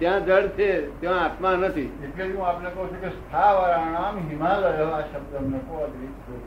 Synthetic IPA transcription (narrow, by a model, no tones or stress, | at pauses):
t̪jãd͡ʒəɽt͡ʃʰet̪eʋãat̪manət̪ʰieʈleiɦũapnekəɦũt͡ʃʰũkest̪ʰaʋaɾãñamɦimaləɡəlaʃəbd̪əmnekoəd̪ɾit | o